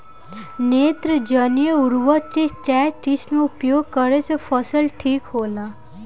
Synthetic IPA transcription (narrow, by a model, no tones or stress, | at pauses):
neːt̪ɾəd͡ʒənijəʊɾʋaʈeʈɛːʈɪsmeʊpjoːɡ̚kəɾesepʰəsəlʈʰiːkɦoːlaː